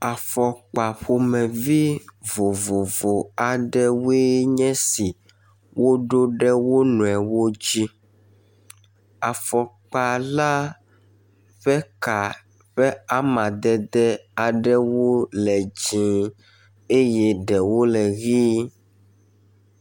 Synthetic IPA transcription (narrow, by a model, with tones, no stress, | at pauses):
a˨fɔ˨k͡pa˨ɸo˨mɛ̃˨vi˦vo˨vo˨vo˨a˨ɖɛ˦we˦ɲɛ̃˦si˨ | wʔo˦ɖo˦ɖɛ˦wo˦nũ˨ɛ˨wo˦d͡ʑi˦ | a˨fɔ˨ | k͡pa˨la˦ | ɸɛ˦ka˨ | ɸɛ˦a˦mã˨d̪ɛ˦d̪ɛ˦a˨ɖɛ˦wo˦lɛ˨d͡ʒĩ˨ | e˦jɛ˦ɖɛ˨wo˦lɛ˨ɣi˦